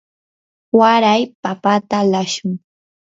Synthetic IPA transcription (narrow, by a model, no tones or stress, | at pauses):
waɾajpapat̪alaʃʊŋ